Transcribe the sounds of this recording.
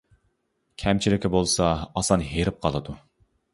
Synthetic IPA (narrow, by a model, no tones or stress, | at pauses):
kʲʰɛmt͡ʃʰilɪkʲʰɪbolˠsɑːsɑnɦeɾɪp̚qʰɑlˠɨd̪u